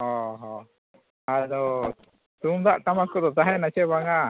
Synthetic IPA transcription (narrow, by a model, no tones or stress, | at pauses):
ɦɔɦɔ | adɔ | t̪umd̪aʔt̪amakɔd̪ɔt̪aɦɛnat͡ʃɛbaŋa